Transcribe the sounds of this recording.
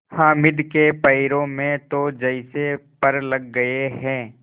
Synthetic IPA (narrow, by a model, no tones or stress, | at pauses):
hãːmɪd̪kepəɪɾõmẽt̪od͡ʒɐɪsepɐɾlɐɡːɐeɦɛ̃ː